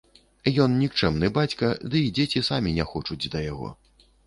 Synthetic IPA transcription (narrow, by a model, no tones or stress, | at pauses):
jɔnnʲikt͡ʂɛmnɨbat͡sʲkɐd̪ɨid͡zʲet͡sʲisamʲinʲɛxɔt͡ʂud͡zʲd̪ɐjaɣɔ̰